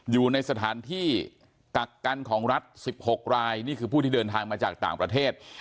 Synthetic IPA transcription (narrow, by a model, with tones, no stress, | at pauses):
juː˨˩na˧jsa˧t̪ʰaː˩˦nt̪ʰiː˥˩ | ka˨˩kːa˧nkʰɔː˩˦ŋɾa˦˥t̪̚si˨˩p̚ho˨˩k̚ɾaː˧jniː˥˩kʰɯː˧pʰu˥˩iː˥˩ɤː˧nt̪ʰaː˧ŋmaː˧t͡ɕa̰ː˨˩k̚t̪aː˨˩ŋpɾa˧t̪ʰeː˥˩t̪̚